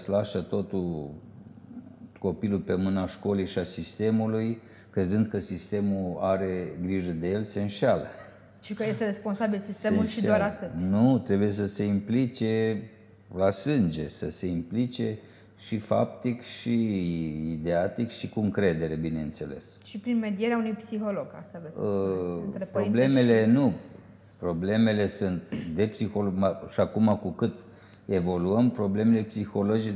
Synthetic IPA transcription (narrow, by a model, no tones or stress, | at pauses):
slaʃət̪o̞t̪ul | ko̞pilulpe̞mɨnaʃko̞lejʃiasist̪e̞muluj | kɾe̞zɨnd̪̚kəsist̪e̞muaɾe̞ɡɾiʒəd̪e̞je̞lse̞ɨnʃalə̰ | t͡ʃikəje̞st̪eɾe̞spo̞nsabilsist̪eemulʃid̪oaɾat̪ɨt̪nut̪ɾe̞buje̞s̬əse̞implit͡ʃe̞ | lasɨnd͡ʒe̞səse̞implit͡ʃe̞ | ʃifa̰p̚t̪ikʃi | id̪eat̪ikʃikuɨŋkɾe̞d̪e̞ɾe̞bine̞ɨnt̪se̞le̞̰s | ʃipɾinme̞d̪ije̞ɾeaunujpsiɦoloɡast̪aveəeppɾo̞ble̞me̞le̞nu | pɾo̞ble̞me̞le̞sunt̪d̪e̞psixo̞loɡmaʃiakumakukɨt̪ | e̞vo̞luəmpɾo̞ble̞me̞le̞psixo̞lo̞d͡ʒi